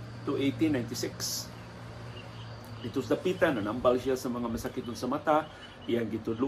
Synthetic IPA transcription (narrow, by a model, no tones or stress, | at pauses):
t̪uejt̪inːajnt̪isɪks | dit̪usd̪apit̪ananambalsiasəmaŋaməsakit̪unsəmat̪a | jaŋɡit̪ulu